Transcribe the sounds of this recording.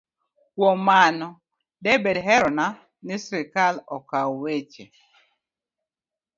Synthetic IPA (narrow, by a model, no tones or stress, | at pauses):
kwomanɔ | dɛbedɦɛɾɔna | nɪsɾɪkalɔkawet͡ʃe